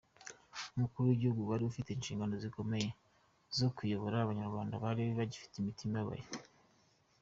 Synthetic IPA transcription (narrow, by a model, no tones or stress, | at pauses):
umukuɾuwiɟihuɡuwaɾiufite̞ːnʃiːŋɡano̞ziko̞me̞je | zo̞kujo̞βo̞ɾaːβaɲaɾɡwaːndaβaɾiβiβaɟifi̥teimitimaβa̰je